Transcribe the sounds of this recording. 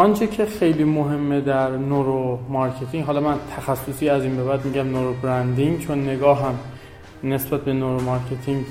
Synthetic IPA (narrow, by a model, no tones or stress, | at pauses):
ɒnt͡ʃʰecʰexe̞jliːmoɦe̞mːed̪æɾnoɾomɒɾcʰe̞t̪ʰiŋɡɦɒːlɒmænt̪ʰæxæsːosiːæziːnbe̞bæd̪̚miːɟæmnoɾobɾænd̪iŋɡt͡ʃʰonːe̞ɡɒːɦæm | ne̞sbæt̪̚ʰbe̞noɾomɒɾcʰet̪ʰiŋɡ